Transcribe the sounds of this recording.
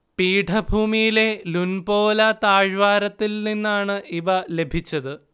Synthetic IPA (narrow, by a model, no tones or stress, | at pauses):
piːʈʰɐbʱuːmijile̞lunbo̞ːlɐt̪aːɻʋaːɾɐt̪ːilninːaːɳɨʔiʋɐle̞bʱit͡ɕːɐðɨ